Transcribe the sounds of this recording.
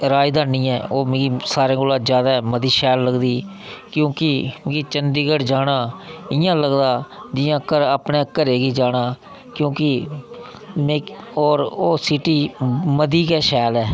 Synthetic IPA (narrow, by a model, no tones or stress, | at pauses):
ɾaːjd̪aːnĩːɛ̰ːoːmẽːɡisaːɾẽːkoːlãːd͡ʒjaːd̪aːɛməd̪iːʃɛːlːəɡd̪iː | kjõːkɪkit͡ʃənd̪iːɡəɽd͡ʒaːnaːɪjãːləɡd̪aːd͡ʒɪjãːəkːəɾaːpneːəkːəɾeːɡiːd͡ʒaːnaː | kjõːkɪ | mẽːɔːɾoːsɪʈiːməd̪iːkɛːʃɛːlɛː